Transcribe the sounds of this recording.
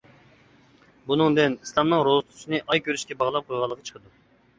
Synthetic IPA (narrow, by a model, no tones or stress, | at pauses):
bunɨŋd̪ɪnislˠɑmnɨŋɾozt̪ʰsinɨʔɑjkʲøɾyʃkʲɛbɑʁlˠɑp̚qʰojʁɑlˠːəqʰɑt͡ʃʰə̥qʰəd̪u